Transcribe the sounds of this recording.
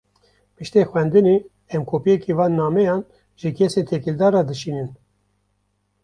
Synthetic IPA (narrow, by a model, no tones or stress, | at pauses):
pɨʃt̪exwɛnd̪ɨne | ɛmkʰoːpijɛkivɑːnːɑːmɛjɑːn | ʒɨkʰɛseːt̪ʰɛkild̪ɑːrɑd̪ɨʃiːnɨn